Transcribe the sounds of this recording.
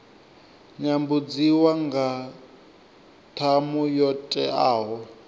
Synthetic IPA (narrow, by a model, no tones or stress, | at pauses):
ɲambud͡ziwaŋɡa | tʰamujɔtʼɛaːɦɔ